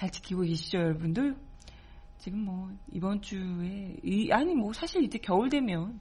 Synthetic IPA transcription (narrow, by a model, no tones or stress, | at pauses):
t͡ɕaɭt͡ɕʰi̥kʰiɡoɡeɕʰid͡ʑʌjʌɭbundɯ | t͡ɕiɡɯmːwʌḭbʌnt͡ɕ͈ue̞iʔaɲimwʌsʰaɕʰiɾid͡ʑe̞kjʌuɭdwe̞mjʌn